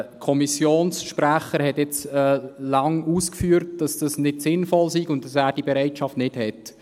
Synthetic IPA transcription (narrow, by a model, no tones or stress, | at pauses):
kʰɔmisjoːnsʃpræχəɾhɛtjɪt͡sɛlɑŋuːskfyːɾt̚d̥ɑsd̥ɑsnɪdsɪnfɔlsiɡʊntɑsæːɾd̥ibeɾɛɪtʃɑftnɪdhɛt